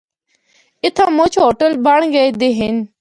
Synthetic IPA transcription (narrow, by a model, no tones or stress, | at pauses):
ɪt̪ʰãːmʊt͡ʃʰɦoːʈəlbəɳ̃ɡəed̪eɦɪn